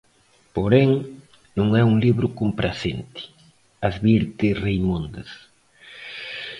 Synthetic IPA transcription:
poɾeŋ | nũŋɛuŋliβɾʊkompɾasent̪i̥ | azβiɾt̪ɪrejmõnd̪as

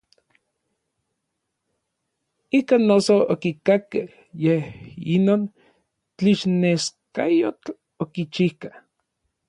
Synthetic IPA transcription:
ikaːnːosookikakeh | jehinoːn | t͡ɬiʃneskajot͡ɬ | okit͡ʃihkah

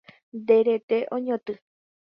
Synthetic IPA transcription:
d̪eɾet̪eʔõɲõt̪ɨ

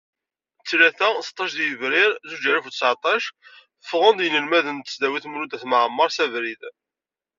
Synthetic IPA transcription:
t͡sːlæθæst̪ˤːɑʃðjəvɾɪɾzud͡ʒæɾəfusaʕt̪ˤɑʃ | fʁənd̪jənəlmæðənt̪ə̥sd̪æwiθmɾud̪æθmʕəmːɑɾˤsævɾið

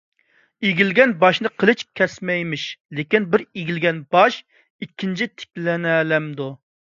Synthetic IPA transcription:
eɡʲilɡʲɛnbɑʃnɨqʰəlˠɪt͡ʃkʲʰɛsmɛjmɪʃlekʲinbɪɾiɡʲilɡʲɛnbɑʃ | ikʲʰːint͡ʃʰit̪ʰɪ̥k̚ʲlɛnɛlɛmd̪u

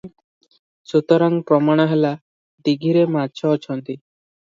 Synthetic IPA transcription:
sut̪ɔɾaŋpɾɔmaɽ̃ɔɦela | d̪iɡʱiɾematt͡ʃʰɔːt͡ʃʰɔnt̪i

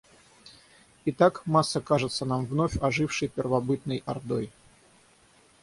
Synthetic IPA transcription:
ɪt̪akmasːəkaʐɨt̪sənamvnofʲɐʐɨfʂɨjpʲɪrvɐbɨt̪̚nɨjɐrd̪o̰j

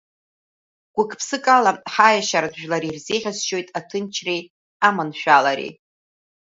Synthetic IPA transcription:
ɡ̥ʷʊkʰʼpʰsɨkʼalaħajaʃaɾadʒᶣlaɾirzeʁʲasʃo̞jtʼatʰɨnt͡ʃʰrej | amanʃᶣalaɾḛj

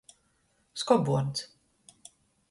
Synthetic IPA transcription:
skɔbuɔnt̪s

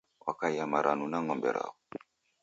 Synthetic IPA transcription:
wʔa̰kajamaɾʔanũnaŋɔ̃mbɛ̰ɾa̰

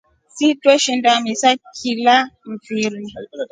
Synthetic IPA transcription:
sitwɛʃindamisakʰilam̩fiɾi

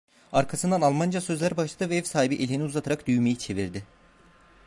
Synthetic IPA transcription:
aɾkʰasɯnd̪analˠmand͡ʒasø̞zlʲæɾbaʃlˠad̪ɯvɛɛvsaːhibiʔelʲiniuzat̪ʰaɾakd̪yjmejit͡ʃʰe̞viɾd̪ɪ

